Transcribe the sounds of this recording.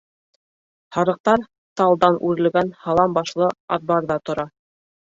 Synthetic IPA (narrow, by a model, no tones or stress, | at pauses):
hɑɾɤ̆q̚t̪ɑɾ | t̪ɑlˠd̪ɑnʔʉɾɘ̆lɡænhɑlˠɑmbɑʃlˠɤɑt̪̚bɑɾðɑt̪ŏɾɑ